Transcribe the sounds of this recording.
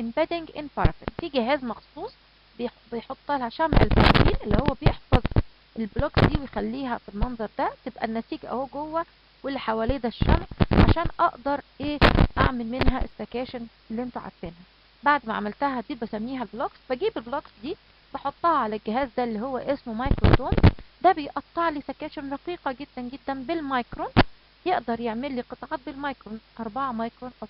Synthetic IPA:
ʔembæd̪eŋɡʔenfɑɾˤfḭnfiːɡɪɦæːzmɑxsˤuːsˤ | be | bejħot̪ˤːʔælhæʃæmʕḛlfɑ̰ɾ̰ˤfiːnʔelːihowːæbejeħfɑzˤ | ʔelbloksd̪iːwejxælːiːɦæfinːɑnzˤɑɾˤd̪æt̪ebʔæ̰nːæsiːɡæ̰howːɡowːæ | welːiħawælejd̪æʃːæmʕʕaʃæːnʔɑʔd̪ɑɾˤʔeːʔaʕmelmenɦæ̰ʔesːækæːʃæn | elːiʔent̪uʕa̰d̪t̪enhæ | baʕd̪mæʕa̰mælt̪æɦæd̪iːbæsæmːiːɦælbloksbæɡiːbelbloksd̪iː | b̥ɑħot̪ˤːɑhɑʕalælɡeɦæːzd̪ælːiːhowːæʔesmmɑjkɾot̪oːmd̪æbejʔɑt̪ˤːɑʕliːsækæːʃenɾˤɑqiːqɑɡed̪ːænɡed̪ːænbelmɑjkɾon | jeʔd̪ɑɾˤjeʕmelːiːqɨt̪ˤɑʕɑːt̪̚belmɑjkɾonʔɑɾˤbɑʕɑmɑjkɾonʔɑ

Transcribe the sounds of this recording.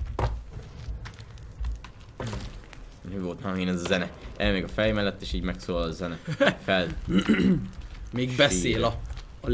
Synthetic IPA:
nøːvolt̪naeːnɛzɒzɛnɛʔɛːlmeːɡɒfɛljmɛlɛt̪ːeːʃiːɟmɛksoːllɒzɛnɛfɛl | meːɡbɛseːlɒ

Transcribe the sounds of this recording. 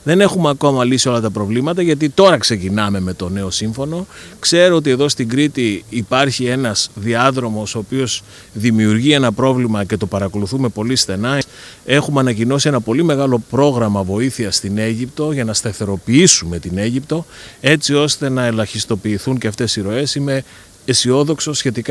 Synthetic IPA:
ðe̞ne̞xumeɐko̞mɐlisio̞lɐt̪ɐpɾo̞vlimɐt̪ɐʝɐt̪̬it̪o̞ɾɐkse̞cinɐme̞me̞t̪o̞ne̞o̞siɱfo̞no̞kse̞ɾoot̪̬ie̞ðo̞st̪iŋɡɾit̪iːpɐɾçie̞nɐzðiɐðɾo̞mo̞soːpio̞z | ðimiuɾʝie̞nɐpɾo̞vlimɐce̞t̪o̞pɐɾɐko̞luθume̞po̞lisθe̞nɐe̞xumeɐnɐcino̞sienɐpo̞lime̞ɣɐlo̞pɾo̞ɣɾɐmɐvo̞iθiɐst̪ine̞ʝipt̪o̞ʝɐnɐst̪ɐθe̞ɾo̞piisume̞t̪ine̞ʝipt̪o̞e̞t͡sio̞st̪e̞nɐe̞lɐçist̪o̞piːθuɲceɐft̪e̞siɾo̞e̞sime̞ː | sio̞ðo̞kso̞sçe̞t̪ik

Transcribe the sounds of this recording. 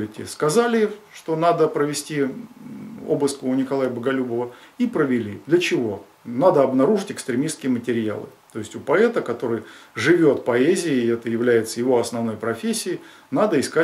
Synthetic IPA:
ɪtʲɪ̰skɐzalʲɪʂt̪o̞nad̪əpɾəvʲɪsʲtʲi | o̰bɨskʊnʲɪkɐlˠajəbəɡɐlʲubəvəipɾəvʲɪlʲid̪lʲət͡ɕɪvo̞ | nad̪əɐbnɐɾuʐɨtʲɪkst̪ɾʲɪmʲiskʲɪjəmətʲɪɾʲɪja̰lˠɨ̰t̪o̞jɪsʲtʲʊpɐɛt̪əkɐt̪o̞ɾɨjʐɨvʲo̞t̪pɐezʲɪːɛt̪əjɪvlʲæjɪt̪səjɪvo̞ɐsnɐvno̞jpɾɐfʲesʲːɪɪ | nad̪əɪska

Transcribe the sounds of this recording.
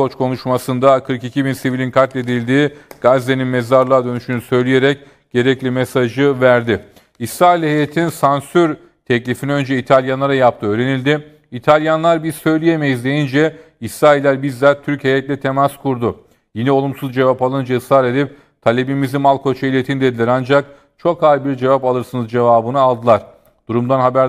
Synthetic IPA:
ot͡ʃkʰo̞nuʃmasɯnd̪akʰɯɾkicʰibinsivilʲinkʰat̪lʲe̞d̪ilʲd̪iːɡ̥azd̪e̞ninmezaɾlˠaːd̪ø̞nyʃynysø̞jlʲije̞ɾɛc | ɟ̥e̞ɾɛclʲimesaʒɯvæɾd̪ɪ | isɾaːilʲhejet̪ʰinsansyɾ | t̪ʰɛclʲifiniø̞nd͡ʒɛit̪ʰalʲjanlˠaɾajap̚t̪ʰɯøːɾe̞nilʲd̪ɪ | it̪ʰalʲjanlˠaɾbiz̥sø̞jlʲije̞mejizd̪ejind͡ʒɛisɾaːilʲːæɾbizlʲæɾt̪ʰyɾche̞jɛt̪lʲɛt̪ʰe̞maskʰuɾd̪ʊ | jenio̞lˠumsuzd͡ʒe̞vapalˠɯnd͡ʒaɯshaɾe̞d̪ip̚ | t̪ʰalʲe̞bimizimalˠkʰo̞t͡ʃʰailʲet̪ʰind̪e̞d̪ilʲæɾand͡ʒak̚ | t͡ʃʰo̞khajbiɾd͡ʒe̞vapalˠɯɾsɯnɯzd͡ʒe̞vaːbɯnɯalˠd̪ɯlˠaɾ̥ | d̪̥uɾumd̪anɦabæɾ

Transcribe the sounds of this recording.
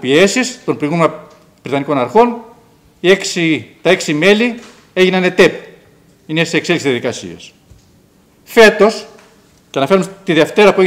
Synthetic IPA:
pie̞sist̪o̞npɾoiɣumenɐ | bɾit̪ɐniko̞nɐɾxo̞n | ieksit̪ɐe̞ksime̞li | eʝinɐne̞t̪ep | inesekseliksizðijɐðikɐsḭɐ̰s | fe̞t̪o̞s | ceɐnɐfe̞ɾumet̪iðeft̪e̞ɾɐpue

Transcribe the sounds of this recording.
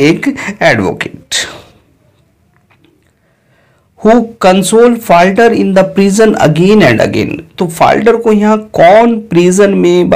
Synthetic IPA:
eːkɛːɖʋo̰ːkeːʈ | huːkɐ̃nsoːlfaːlʈəɾɪ̃nd̪əpɾiːzənɐ̰ɡẽːnɛ̃ɳɖɐ̰ɡḛ̃ːnt̪ofa̰ːlʈəɾkojɐɦãkɔːnpɾiːzənmẽb

